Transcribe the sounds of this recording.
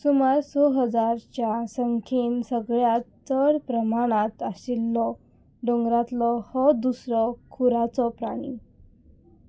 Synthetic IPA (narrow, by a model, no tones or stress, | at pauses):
sumaɾsɔɦəd͡zaɾt͡ɕjasəŋkʰiːnsəɡɭjat͡səɾpɾəmaɽ̃at̪asilːɔ | ɖoŋɡɾat̪lɔhɔd̪usɾɔkʰuɾat͡sɔpɾaɽ̃ḭ